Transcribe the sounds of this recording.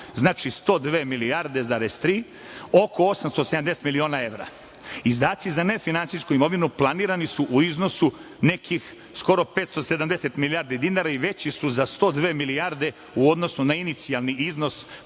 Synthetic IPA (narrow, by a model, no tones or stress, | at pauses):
znaːt͡ʃist̪o̞d̪ʋeːmilijaɾd̪e̞zaːɾez̥t̪ɾiː | o̞koo̞samst̪osed̪amd̪eset̪milio̞ːnae̞ʋɾa̰ | izd̪aːt̪sizane̞finansijskuimo̞ʋinuplˠaniːɾanisuʔuizno̞su | ne̞kix | sko̞ɾo̞peːt̪st̪o̞se̞d̪amd̪ese̞t̪miliaːɾd̪id̪inaːɾaiʋe̞t͡ɕisuzast̪o̞ːd̪ʋe̞ːmiliaɾd̪e̞ | uod̪no̞sunainit̪sialniizno̞s